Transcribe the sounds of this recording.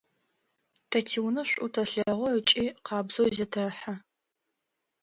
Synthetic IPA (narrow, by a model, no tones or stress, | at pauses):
tʰɐtʰiwnɐɕʷʼutʰɐɬɐʁʷɔət͡ʃʼiːqɑːbzowzɐtʰɐħa